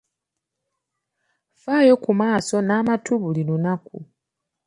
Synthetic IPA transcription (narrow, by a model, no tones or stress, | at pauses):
faːjo̞kumaːso̞naːmatʰuβulinunakṵ